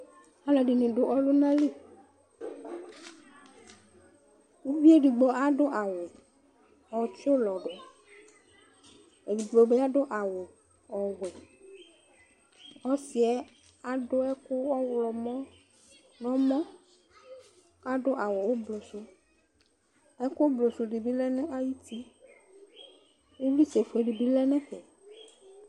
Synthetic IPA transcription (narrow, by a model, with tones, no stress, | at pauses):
a˦lɔ˨ɖɪ˨nɪ̃˨ɖʊ˨ʔɔ˦lʊ˦nã˦li˦˨ | wu˦bi˦e˦ɖi˨ɡ͡bɔ˨a˦ɖʊ˦ʔa˨wɔ˨ | ɔ˨t͡ʃo˦lɔ˨ɖɔ˨ | e˨di˨ɡ͡blɔ˨be˦a˦ɖʊ˦ʔa˨wɔ˨ | ɔ˨ɡɛ˨ | ɔ˦si˨ɛ˦ | a˨ɖʊ˦ɛ˦kʊ˦ɔ˦wlɔ˨mɔ̃˦ | nɔ̃˦mɔ̃˦ | a˦ɖʊ˦ʔa˨wɔ˨wo˦blo˨sʊ˦ | ɛ˦kʊ˦blo˨sʊ˨ɖi˨bi˦lɛ˦nʊ̃˦ʔa˦ji˦t̪i˦ | wo˦vi˦se˨fe˨ɖi˨bi˦lɛ˦nɛ̃˦ɸɛ˨